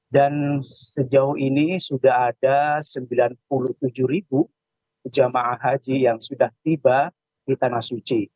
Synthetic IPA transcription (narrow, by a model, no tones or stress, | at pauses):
dansəd͡ʒauɦinisudaɦadasəmbilanp̚uluht̪ud͡ʒuɾibu | d͡ʒamaʔaɦad͡ʒijaŋsudaht̪iba | d̥it̪anahsut͡ʃi